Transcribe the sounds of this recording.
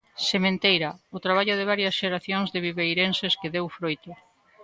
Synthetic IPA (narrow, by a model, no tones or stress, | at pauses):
semẽnt̪ejɾaʊt̪ɾaβ̞aʎʊðɪβ̞aɾjɐsʃeɾaθjoŋzðeβiβejɾenseskeðewfɾojt̪ʊ